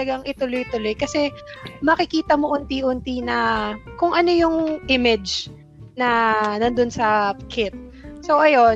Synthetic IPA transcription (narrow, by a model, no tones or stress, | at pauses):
ɐɡaŋɪt̪ʊlojt̪ʊlo̞jkɐsɛmɐkɪkiːt̪ɐmo̞ʔʊnt̪iʔʊnt̪inɐkʊŋʔɐnojʊŋʔɪmɛd͡ʒ | nɐnɐnd̪onsɐkʰɪt̪̚sowʔɐjo̞n